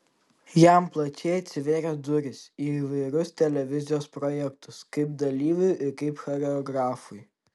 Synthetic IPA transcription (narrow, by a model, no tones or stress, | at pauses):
jæˑmplˠɐt͡ʃʲeːɐt̪ʲsʲɪʋʲeːɾʲɛd̪ʊɾʲɪsʲiiːʋɐɪɾʊst̪ʲɛlʲɛʋʲɪzʲɪjoːspɾɔjɛkt̪ʊskɐɪp̚d̪ɐlʲiːʋʲʊjɪɾkɐɪpxɔɾʲɛɔɡɾɑːfʊj